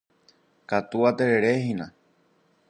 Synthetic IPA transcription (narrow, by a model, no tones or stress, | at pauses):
kat̪uat̪eɾeɾeɦĩnã